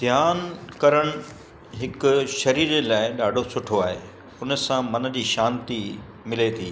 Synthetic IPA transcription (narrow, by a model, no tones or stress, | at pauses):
d̪ʱjaːnkɐɾəɽ̃ʊ | ɦɪkʊ̆ʃɐɾiːɾelaːɪɗaːɖʱosʊʈʰoaːɦeː | ʊnə̆sãmɐn̆d͡ʑiːʃaːnt̪i | mɪlet̪ʰiː